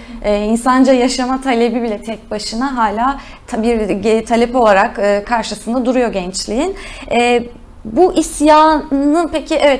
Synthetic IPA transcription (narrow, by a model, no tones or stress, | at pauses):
ɛːinsand͡ʒajaʃamat̪ʰalʲe̞bibilʲɛt̪ʰɛc̚baʃɯnaɦaːlʲaː | t̪ʰbiɾt̪ʰalʲɛpo̞lˠaɾakɯːkʰːaɾʃɯsɯnd̪ad̪uɾujo̞ɟɛnt͡ʃlʲijinɛː | buʔisjaːnɯnpecʰiʔɛvɛt̪